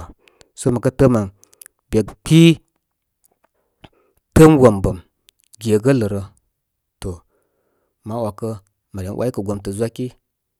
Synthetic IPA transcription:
so˦mə˨kə˦tə˦ma˨n | bʲe˨k͡pi˦ | tə˦mɡo˨mbə˨m | ɡʲe˨ɡə˦lə˨ɾə˧ | to˨ | ma˦wa˨kə˦ | ma˨ɾʲa˨n˦wʔa˦i˦kə˨ɡʷo˨˦mtə˨zʷa˦ki˦

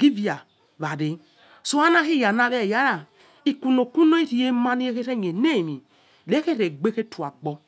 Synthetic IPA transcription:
ɡ̥i˦vi˦a˨ | βa˨di˨ | so˦a˦na˦ɦi˦˨ja˨na˨ɾɛ˦˨ja˨˦ɾa˨ | i˨ku˨no˨ku˦no˦i˦ɾi˨je˦ma˦ni˦e˦ke˦ɾe˦˨ɲ˨e˨ne˦˨mi˨ | le˦ke˦ɾe˨ɡ͡be˦ke˦tu˨a̰˨ɡ͡bɔ˦

